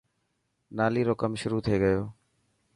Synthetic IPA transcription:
naːliːɾoːkəmʃʊɾuːt̪ʰieːɡəjoː

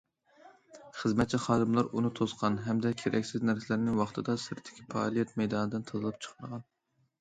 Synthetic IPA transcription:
χəzmɛt̪̚t͡ʃʰiχɑːd̪ɨmlˠɑɾunɨt̪ʰosqʰɑnɦɛmd̪ɛkʲʰeɾʔɛ̰kʲsɪznæɾsɪlɾnɪŋwɑχt̪ʰɨd̪ɑsɪɾt̪ʰːɪ̥kʲʰipʰɑ̰lˠijɛt̪mɛjd̪ɑːnɨd̪ɪnt̪ʰɑzɨlˠɨp̚t͡ʃʰə̥χməʁɑn

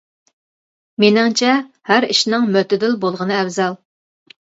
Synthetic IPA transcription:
menɪŋt͡ʃʰɛ | hæɾiʃnɨŋmøt̪ɪd̪ɪlbolˠʁənɨɛvzɑlˠ

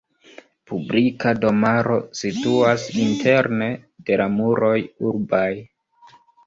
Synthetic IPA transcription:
publikado̞maɾo̞situasintʰe̞ɾne̞de̞lamuɾo̞juɾbaj

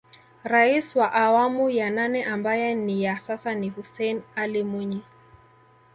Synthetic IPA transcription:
ɾaiswaʔawamujananɛʔambajɛnijasasanihusɛjnalimwuɲi

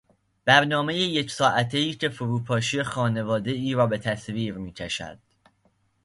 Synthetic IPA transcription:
b̥æɾnɒːme̞jejecʰsɒːʔæt̪ʰeiːcʰe̞foɾuːpʰɒːʃijexɒːne̞vɒːd̪e̞iːɾɒːbe̞t̪ʰæsviːɾmiːcʰæʃæ̰d̪̥

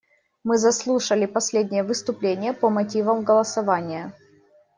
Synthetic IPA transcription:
mɨzɐslˠuʂəlʲɪpɐsʲlʲedʲnʲɪjəvɨst̪ʊplʲenʲɪjəpəmɐtʲivəmɡəlˠəsɐvanʲɪjə

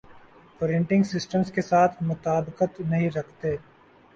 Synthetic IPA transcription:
oɾẽɳʈɪ̃ŋɡsɪsʈəmskesaːt̪ʰmʊt̪aːbɪqət̪nɐɦĩɾɐkʰt̪eː

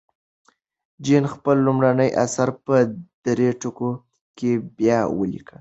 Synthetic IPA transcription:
d͡ʒinxpəlːumɾanəjʔa̰saɾpəd̪̥ɾeʈʊko | kebjɑwə̰lḭkəl

